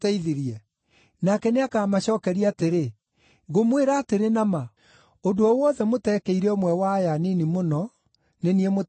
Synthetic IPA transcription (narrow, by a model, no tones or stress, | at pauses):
tɛiðiɾiɛ | nakɛneakaːmaɕɔːkɛɾiateɾe | ŋɡomweɾaːteɾenama | odoɔwɔðɛmotɛkɛiɾɛomwɛwajaninimonɔ | neniɛmo